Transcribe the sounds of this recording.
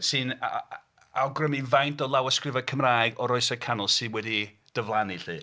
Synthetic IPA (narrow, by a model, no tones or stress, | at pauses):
sɨn | awɡrəmivajntɔlˠawəskrɪvakʰəmrajɡɔɾɔɨsɛkʰanɔlˠsɨnwɛdi | d̥əvlˠaniɬɨː